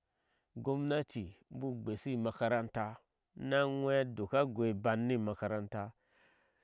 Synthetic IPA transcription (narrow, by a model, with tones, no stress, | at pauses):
ɡo˦m˦na˦ti˨m˦bu˦ɡ͡be˨si˦ma˨ka˨ɾa˦nta˦ | na˦ŋʷe˦do˨ka˦ɡʷe˨ba˨nːi˦ma˨ka˨ɾa˦nta˦